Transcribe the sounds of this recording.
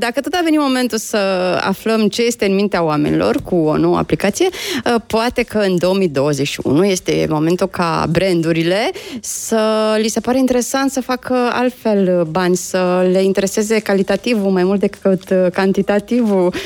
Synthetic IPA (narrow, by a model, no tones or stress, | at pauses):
d̪akət̪o̞t̪ave̞nimo̞me̞nt̪usəa̰fləmt͡ʃe̞je̞st̪e̞ɨnmint̪eawame̞nḭlo̞̰rkuonoə̰a̰plikat̪sije̞poat̪e̞kəɨnd̪o̞ːmid̪o̞wəzet͡ʃʲʃiṵnuje̞st̪e̞̰mo̞me̞nt̪ukʰa̰bɾe̞nd̪uɾile̞səlise̞paɾe̞int̪e̞ɾe̞sant̪səfakʰəa̰lt̪fe̞lbanʲsəle̞int̪e̞ɾe̞se̞ze̞kalit̪at̪ivumajmult̪d̪ekɨt̪kant̪it̪at̪ivu